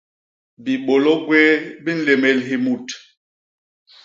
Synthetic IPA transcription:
bi˨ɓo˨lo˦ɡweː˦bi˦n̩˦le˨me˨lɦi˨mu˨t

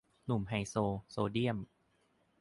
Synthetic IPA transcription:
nu˨˩mɦa˧jsoː˧soː˧di˥˩əm

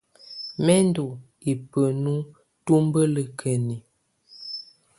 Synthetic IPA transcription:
mɛ˦n˦do˨ | i˨pə˨nu˦ | tu˦mbə˦lə˨kʰə˨ni˨

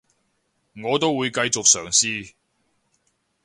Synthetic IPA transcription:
ŋɔː˨˧t̪o˥wːuː˨˧jkɐ˧jt͡sʊ˨k̚sœː˨˩ŋsiː˧

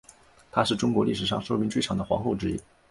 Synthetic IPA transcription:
t̪ʰa˥ʂɻ̩˥˩ʈ͡ʂʊ˥ŋkwɔ˧˥li˥˩ʂ̬ɻ̩˨˩ʂɑ˥˩ŋʂo˥ʊmi˧˥nt͡ɕʈ͡ʂʰɑ˨˥ŋd̪ə˦xwɑ̰˧˥ŋxo˥˩ʊʈ͡ʂɻ̩˥ḭ˥˩

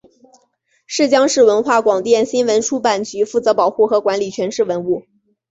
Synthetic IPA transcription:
ʂɻ̩˥˩t͡ɕjɑ˥ŋʂɻ̩˥˩wə˧˥nxwa˥˩kwɑ˨˩ŋt̪jɛ˥˩nɕi˥nwə˧˥nʈ͡ʂʰu˥pa˨˩nt͡ɕy˧˥fu˥˩t͡sɤ˧˥pɑ˨˩ʊxu˥˩xɤ˧˥kwa˧˥nli˨˩t͡ɕʰɥɛ˧˥nʂɻ̩˥˩wə˧˥nu˥˩

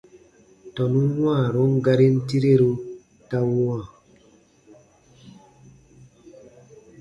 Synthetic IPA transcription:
tɔ˨nu˦wãː˦˨ɾo˦ŋ˦ɡa˦ɾe˦n˦ti˦ɾe˦ɾo˦ | ta˦wu˦wã˨

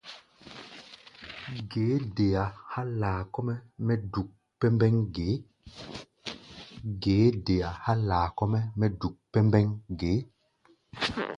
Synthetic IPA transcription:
ɡeː˨˦de˨ja˨ha˦laː˨kɔ˦mɛ˦mɛ˦du˨k̚ | pɛ˦mbɛ˦ŋɡe˨˦ | ɡeː˨˦de˨ja˨ha˦laː˨kɔ˦mɛ˦mɛ˦du˨k̚pɛ˦mbɛ˦ŋɡeː˨˦

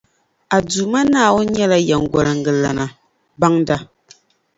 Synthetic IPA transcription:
a˨duː˨ma˦naː˦˨wo˦ɲɛ˦la˦jɛ˨ŋ˨ɡɔ˨ɾɨ˨ŋ̩˨ɡɨ˨la˨na˨ | ba˦ŋda˦

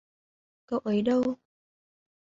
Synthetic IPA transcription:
kə˧wʔə˨˦jɗə˧w

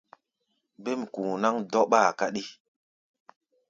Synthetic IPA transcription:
be˦m˨ku˨na˦ŋdɔ˦ɓaː˦˨ka˦ɗi˦

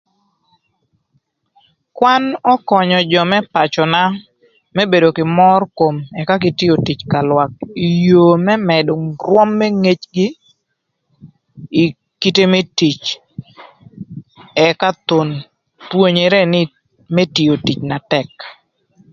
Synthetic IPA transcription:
kwa˦nɔ˦kɔ˨ɲɔ˨d͡ʒɔ˨mɛ˦pa˨t͡ʃɔ˨na˦ | mɛ˦be˨do˨kɪ˨mɔ˦rko˨mɛ˨ka˦ɡɪ˦tɪ˦o˨ti˨t͡ʃka˨lwa˨k̚i˨joː˨mɛ˦mɛ˨dʊ˨ŋɾwɔ˦mːe˦ŋe˦t͡ʃɡɪ˦˨ | ki˦te˦me˦ti˨t͡ʃ | ɛ˨ka˦t̪o˨n | two˦ɲe˨ɾɛ˦nɪ˦ | me˦ti˨o˨ti˨t͡ʃna˨tɛ˦k

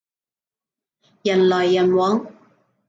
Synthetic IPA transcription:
jɐ˨˩nlɔː˨˩jːɐ˨˩nwɔː˨˥ŋ

